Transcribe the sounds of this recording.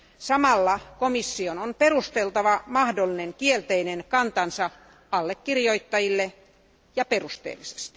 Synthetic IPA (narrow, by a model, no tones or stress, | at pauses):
sɑmɑlːɑkomisːiononperust̪elt̪ɑʋɑmɑhdolːineŋkielt̪einenkɑnt̪ɑnsɑ | ɑlːekːirjoit̪ːɑjilːe | jɑperust̪ḛːlːˑise̥st̪i